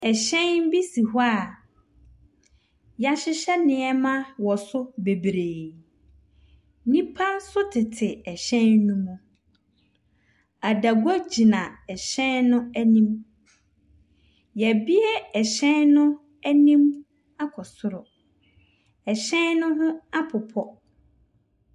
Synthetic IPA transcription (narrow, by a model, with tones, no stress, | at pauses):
ɛ˨ɕɛ̃˦nnbi˦si˨ɦɔ˦a˦˨ | ja˨ɕɪ˦ɕɛ˦nɪ̃˨ɛ˦mã˦wɔ˨sʊ˦be˨bɾeː˨ | nĩ˦pʰã˦n˦sʊ˦tʰɪ˨tʰɪ˨ɛ˨ɕɛ̃˦nːũ˦mũ˦ | a˨da˨ɡɔ˦d͡ʑi˨nã˨ɛ˨ɕɛ̃˦nnʊ̃˦æ˦nĩ˦m | jɛ˨bi˦ɛ˦ɛ˨ɕɛ̃˦nnʊ̃˦ | æ˦nĩ˦m | a˦kʰɔ˨sʊ˦ɾɔ˨ | ɛ˨ɕɛ̃˦nnʊ̃˦hʊ̃˦a˦pʰʊ˨pʰɔ˦